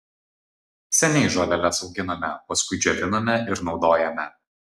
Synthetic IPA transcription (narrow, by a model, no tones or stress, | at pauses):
sʲɛnʲɛɪʒolʲɛlʲɛsɒʊɡʲɪnɐmʲɛpɐskʊɪd͡ʒʲɛʋ̪ʲɪnɐmʲɛʔɪɾnɒʊd̪oːjɛmʲɛ